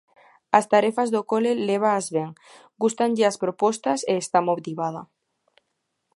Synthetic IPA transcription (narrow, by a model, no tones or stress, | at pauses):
ɐst̪aɾefazðokoleleβ̞aːzβeŋ | ɡust̪aŋʎɪaspɾopɔst̪ɐseːst̪amoβt̪iβað̞ɐ̰